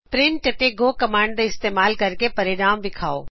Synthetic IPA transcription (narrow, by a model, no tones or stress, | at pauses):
pɾɪ̃ɳʈɐt̪eɡoːkɐmaːɳɖd̪eɪst̪eːmaːlkɐɾkepɐɾɪɾaːmbɪkʰaːoː